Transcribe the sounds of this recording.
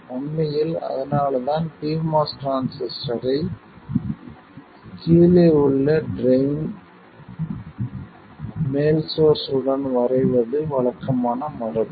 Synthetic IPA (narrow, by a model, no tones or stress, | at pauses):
ɔɳːɐjɪlɐ̰ðɐnaːɭðaːnpiːmaːsʈɾaːnsɛsʈɐɾɐɪ | kiːleɯɭːɐɖɾeɪn | meːlsoːsɯɽɐnʋɐɾɐɪʋɐðɯʋɐɭɐkːɐmaːnɐmɐɾɐl